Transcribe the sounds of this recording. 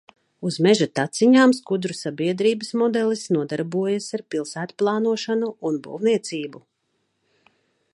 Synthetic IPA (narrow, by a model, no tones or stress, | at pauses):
uzmɛʒat̪at̪siɲaːmskud̪ɾusabiɛd̪ɾiːbəsmɔd̪ɛlˠisnuɔd̪aɾbuɔjasaɾpilˠsæːt̪plˠɑːnuɔʃanuʔunbṵwniɛt̪siːbu